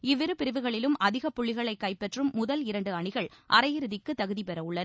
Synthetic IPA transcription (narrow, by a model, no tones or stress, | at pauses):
ɪʋːɪɾɯpɪɾɪʋɯɣɐɭɪlɯmʔɐðɪɣɐpːʊɭːɪɣɐɭɐɪkːɐɪpːɛʈrɯmːʊðɐlɪɾɐɳɖɯɐɳɪɣɐɭʔɐɾɐjɪɾɯðɪkːɯt̪ɐɣɯðipɛɾɐʋɯɭːɐn